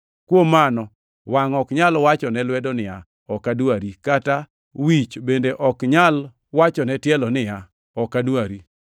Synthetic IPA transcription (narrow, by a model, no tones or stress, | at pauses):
kwomanɔ | waŋɔkɲalwat͡ʃɔnɛlwɛdɔnɪja | ɔkadwaɾikata | wit͡ʃbendeʔɔkɲal | wat͡ʃɔnɛtjɛlɔnɪja | ɔkadwaɾi